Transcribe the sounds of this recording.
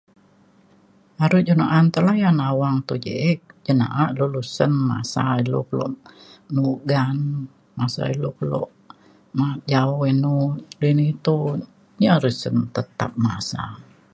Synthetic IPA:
aɾud͡ʒənaʔant̪əlajanawaŋt̪ud͡ʒḛʔək̚d͡ʒəna̰ʔaʔlolusənma̰sailo̰kəlo̰ʔnuɡan | masa̰ilokəlo̰ʔ | mad͡ʒaɔinulinit̪u | ɲaɾəsənt̪ət̪a̰p̚masa

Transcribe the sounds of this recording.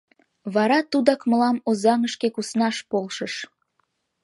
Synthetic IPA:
βɑɾɑt̪ud̪ɑkməlɑmozɑŋəʃkekusnɑʃpolʃəʃ

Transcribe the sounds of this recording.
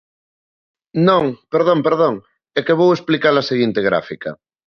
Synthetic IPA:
nõŋpeɾðõmpeɾð̞oŋ | ɛkeβ̞owesplikaɾlaseɣint̪eɣɾa̰fikɐ̰

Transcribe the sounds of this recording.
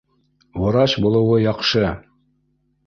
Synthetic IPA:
wŏɾɑɕbulˠɤ̆wɤjɑqʃɤ

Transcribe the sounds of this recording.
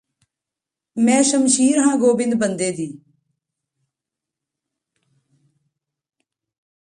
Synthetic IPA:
mɛ̃ːsəmʃiːɾɦãːɡoːbɪ̃nd̪̚bənd̪eːd̪iː

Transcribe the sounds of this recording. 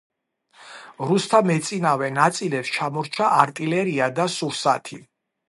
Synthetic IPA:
ɾust̪ʰamɛt̪sʼinavɛnat̪sʼilɛpst͡ʃʰamɔɾt͡ʃʰaaɾt̪ʼilɛɾiad̪asuɾsa̰t̪ʰi

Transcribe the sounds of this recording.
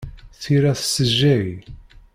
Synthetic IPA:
θiɾæθsəʒːæj

